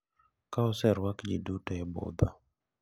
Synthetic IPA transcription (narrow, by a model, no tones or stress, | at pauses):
kaɔsɛɾwakd͡ʒidutaɛbo̰d̪a